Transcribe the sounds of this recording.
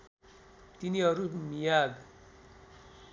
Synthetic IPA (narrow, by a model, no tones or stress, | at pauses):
t̪iniɦʌɾumijaɡ